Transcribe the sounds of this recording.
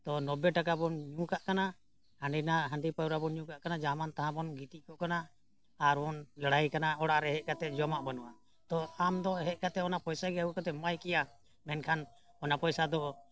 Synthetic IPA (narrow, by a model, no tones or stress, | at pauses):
t̪ɔnɔbɛʈakabɔnɲũkaʔkana | hãɳɖinaɦãɳɖipajɾabɔnɲũkaʔkanad͡ʒamant̪aɦãbɔnɡit̪iʔkɔʔkanaː | ɾɔnlaɽajkanaɔɽaʔɾɛɦɛʔ̚kat̪ɛd͡ʒɔmaʔbanuʔa | t̪ɔamd̪ɔɦɛʔ̪̚kat̪ɛɔnapɔjsaɡɛakɔt̪ɛmajkɛja | mɛnkʰan | ɔnapɔjsad̪ɔ